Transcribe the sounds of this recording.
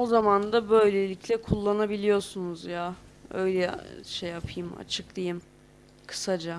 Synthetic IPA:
o̞zamand̪abø̞jlʲelʲicʰlʲɛkʰulˠːanabilʲijo̞sunuzjaø̞jlʲɛʃejːapʰɯjɯma̰t͡ʃʰɯk̚d̪ijɯm | kʰɯ̥sad͡ʒa

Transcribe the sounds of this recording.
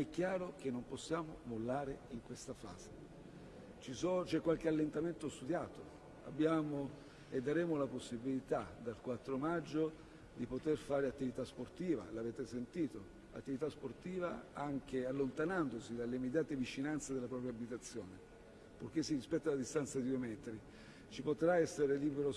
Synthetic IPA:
ɛkːjaːɾok̟enːomposːjaːmomolːaːɾeiŋkwest̪afa̰ːze | t͡ʃisot͡ʃɛkːwalk̟ealːent̪ament̪ost̪ud̪jaːt̪o | a̰bːjaːmo | ed̪ːaɾɛːmolaposːibilit̪ad̪alkwat̪ːɾomad͡ʒːo | d̪ipot̪erfaːɾeat̪ːivit̪asport̪iːva̰laːveːt̪esent̪iːt̪o | a̰t̪ːivit̪asport̪iːva̰aŋk̟ealːont̪anand̪osid̪alːeimːed̪jaːt̪evit͡ʃinant̪sed̪elapɾɔːpɾjabit̪at̪sːjɔːne | pok̟esːirispɛt̪ːalad̪ist̪ant̪sad̪id̪uemɛt̪ɾi | t͡ʃipot̪ɾaɛsːeɾeliːbeɾo

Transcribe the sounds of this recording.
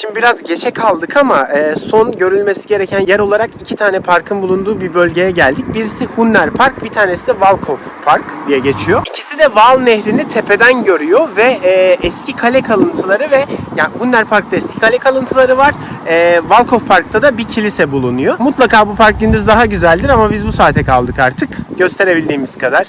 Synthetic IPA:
ʃimb̪ibiɾazɟe̞t͡ʃʰɛkʰalˠd̪ɯkʰamaɯːso̞nɟø̞ɾylʲme̞siɟe̞ɾecʰænjæɾo̞lˠaɾakicʰit̪ʰaːnɛpʰaɾkʰɯnbulˠund̪uːbibø̞lʲɟe̞jɛɟælʲd̪ic̚biɾisihunːæɾpʰaɾk̚bit̪ʰaːnesid̪ɛvalˠkʰof | pʰaɾkd̪ijɛɟe̞t͡ʃʰijoicʰisid̪ɛvalˠnɛçɾinit̪ʰepʰe̞d̪ænɟø̞ɾyjovɛːɛscʰikʰalʲɛkʰalˠɯnt̪ʰɯlˠaɾɯvɛjahunːæɾpʰaɾk̚t̪ʰaɛscʰi̥kʰalʲɛkʰalˠɯnt̪ʰɯlˠaɾɯvaɾ̥ɛːvalˠkʰo̞fpʰaɾk̚t̪ʰad̪abicʰilʲisɛbulˠunujomut̪lˠakaːbupʰaɾk̚ɟynd̪yzd̪aɦaɟyzælʲd̪iɾamabizbusaːt̪ʰɛkʰalˠd̪ɯkaɾt̪ʰɯkɟ̥ø̞st̪ʰeɾe̞bilʲd̪iːmiz̥kʰad̪aɾ̥

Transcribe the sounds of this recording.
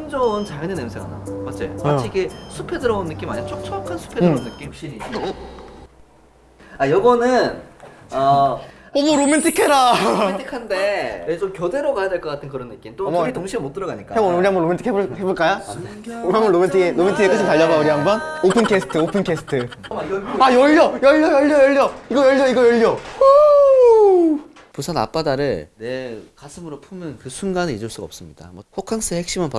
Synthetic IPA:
t͡ɕʰnd͡ʑʌnt͡ɕajʌnenemsʰeɡa̰na̰mat͡ɕ͈ḛat͡ɕʰiɡesʰupʰe̞dɯɾʌonːɯk͈ima̰ɲiat͡ɕʰok̚t͡ɕʰʌkʰansʰu̥pʰedɯʌonːɯk͈imhɕ͈iɾi | ajʌɡʌnɯnʌ | ɾomentʰikʰeɾatʰikʰandeet͡ɕomkjodeɾokajadeɭk͈ʌk͈atʰɯnkɯɾʌnːɯk͈imt͈omitoŋɕʰimemot͈ɯɾʌɡaɲik͈aauɾiɦambʌnɾometʰikʰeboɭheboɭk͈aja | oɾiɦambʌnːomentʰɯelomentʰɯek͈ɯsʰɯɭtaʎːʌɡauɾiɦambʌnopʰɯnkʰesʰɯ̥tʰɯopʰɯnkʰesʰɯ̥tʰɯ | ajʌʎːjʌjʌʎjʌjʌʎːjʌjʌʎːjʌiɡʌjʌʎːjʌiɡʌjʌɭːjʌ | pusʰana̰p͈adaɾɯɭ | kasʰɯmɯɾopʰumɯnkɯsʰunɡanɯid͡ʑuɭs͈uɡaʌps͈ɯmɲḭd̥a̰mwʌɸʰokʰaŋs͈ʰɯehek̚ɕ͈imɯnpa

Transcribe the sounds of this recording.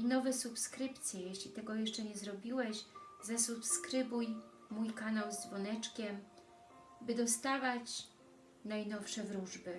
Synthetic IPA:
inɔvɛsupskɾɘpt̪sʲjɛjɛɕlʲit̪ɛɡɔjɛʂt͡ʂɛɲɛzɾɔbʲiwɛɕzɛsupskɾɘbuj | mujkanawzd̪vɔnɛt͡ʂkʲɛm | bɘd̪ɔst̪avat͡ɕ | najnɔfʂɛvɾuʐbɘ

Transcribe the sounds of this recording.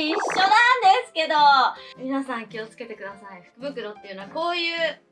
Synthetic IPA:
iɕːo̞nãnd̪e̞sɨ̥ke̞d̪o̞mʲinasãŋkʲio̞t͡sɨ̥ke̞t̪e̞kɯ̟d̪asaiɸɯ̟̥kɯ̟bɯ̟kɯ̟ɾo̞t̪ːe̞ijɯ̟noako̞ːjɯ̟ː

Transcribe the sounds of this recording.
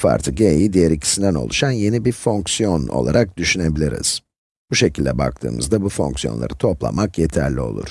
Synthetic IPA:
fa̰ɾt̪ʰɯɟejid̪ijeɾicʰi̥sind̪æno̞̰lˠuʃanje̞nibiɾfo̞ŋksijo̞no̞̰lˠa̰ɾak̚d̪yʃyne̞bilʲiɾḭz̥ | b̥uʃe̞cʰilʲd̪ɛba̰k̚t̪ʰɯ̰ːmɯ̰zd̪abufo̞̰ŋksijo̞nlˠa̰ɾɯt̪ʰo̞plˠa̰makjet̪ʰæɾlʲio̞̰lˠṵɾ̥

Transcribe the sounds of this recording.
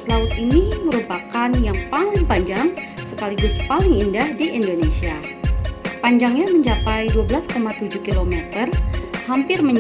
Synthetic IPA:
səlaʊt̪iniməɾupakanjaŋpalɪŋpaɲd͡ʒaŋsəkalibʊspalɪŋindahdiʔindonesia | paɲd͡ʒaŋɲaməɲt͡ʃapajduabəlaskomat̪ud͡ʒuhkilomɛt̪ərhampɪrməɲ

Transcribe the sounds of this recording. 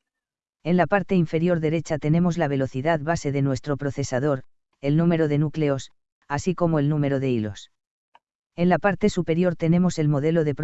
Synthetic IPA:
e̞nlapaɾt̪e̞iɱfe̞ɾjo̞ɾðe̞ɾe̞t͡ʃat̪e̞nẽ̞mo̞zlaβ̞e̞lo̞θiðaðβase̞ðe̞nwe̞st̪ɾo̞pɾo̞θe̞sað̞o̞ɾ | e̞lnũme̞ɾo̞ðe̞nukle̞o̞s | asiko̞mo̞e̞lnũme̞ɾo̞ðe̞ilo̞̰s | e̞nlapaɾt̪e̞supe̞ɾjo̞ɾt̪e̞ne̞mo̞se̞lmo̞ðe̞lo̞ðe̞pɾ

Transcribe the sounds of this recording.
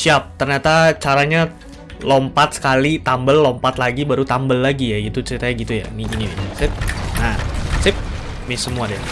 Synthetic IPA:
siap̚t̪ərɲat̪at͡ʃaɾaɲa | lompat̪sə̥kalit̪ambəlːompat̪laɡibaɾut̪ambəlːaɡijaɡit̪ut͡ʃəɾit̪ajaɡit̪uja̰niɡiniinisɪp̚nasɪp̚ | mɪsəmuadɛ

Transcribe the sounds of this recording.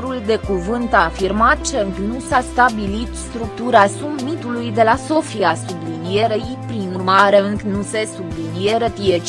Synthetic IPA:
ɾuld̪e̞kuvɨnt̪aːfirmat̪̚t͡ʃəŋknusast̪abilit̪st̪ɾuk̚t̪uɾasummit̪ulujd̪e̞laso̞fiasublinije̞ɾejipɾinurmaɾeŋknuse̞sublinijeɾət̪ijet͡ʃ

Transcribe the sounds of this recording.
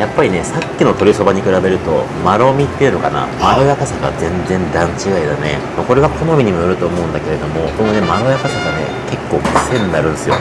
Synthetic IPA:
japːaɾʲine̞sakʲːino̞t̪o̞ɾʲiso̞baɲ̟ikɯ̟ɾabe̞ɾɯ̟t̪o̞̰ | maɾo̞mʲit̪ːeiɯ̟no̞kana̰maɾo̞jakasaɡa̰zẽ̞nd͡zẽ̞nd̪ãɲt͡ɕiɡaid̪ane̞̰ | mako̞ɾe̞ɡakʰonomʲiɲ̟imojoɾɯ̟t̪o̞ːmo̞ɯ̟̃nd̪ake̞ɾe̞d̪o̞mo̞sko̞none̞maɾo̞jakasaɡane̞̰ke̞kːo̞ːbɯsẽ̞nːaɾɯ̟̃nsɨjo̞̰

